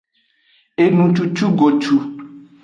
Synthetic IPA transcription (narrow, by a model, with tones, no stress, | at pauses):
e˨nũ˨t͡ʃu˨t͡ʃu˦ɡo˨t͡ʃu˨